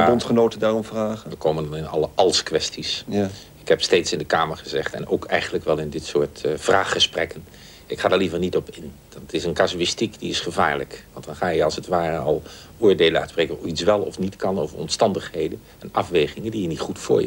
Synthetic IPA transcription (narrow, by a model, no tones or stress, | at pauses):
bɔntχənowtədaːrɔmvraːχəʋəkoːməndɑnɪnɑ̰lˠəʔɑlˠskʋɛstis | ɪkɦɛpstejtsɪndəkaːməɹχəzɛχtɛ̰no̰wkʰɛjχəndləkʋɛlˠɪndɪtsʊːɹtfraːχːəsprɛkən | ɪkχaːdəɹlivərnitɔpɪn | dɑtɪsənkasuɪstikdiɪsχəva̰ːɹləkʋɑntd̥ɑnχaːjəɑlˠsətʋaːrənɑlˠ | ʊːɹdelənœ̰tsprejkənuitsʋɛlˠɔ̰fnitkɑno̰wvərɔ̰mstɑndəχhejdən | ɛnɑ̰fʋejχɪŋəndijənitχutfʊ̰ːɹj̰